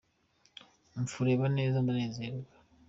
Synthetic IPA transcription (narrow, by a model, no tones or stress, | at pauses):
ɱfuɾe̞ːβane̞ːzandaneːzeːɾɡa